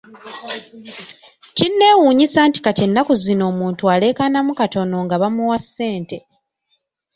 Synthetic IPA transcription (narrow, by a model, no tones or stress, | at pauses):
cinːe̞ːwuːɲisaːnti̥kace̞nːakuzino̞ːmuːntuale̞kanamukato̞no̞ŋɡaβamuwasːe̞ːnte̞